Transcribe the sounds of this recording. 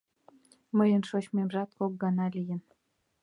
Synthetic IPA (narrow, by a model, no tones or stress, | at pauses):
məjə̆nʃoɕmemʒɑt̪̚kok̚ɡɑnɑlʲijə̆n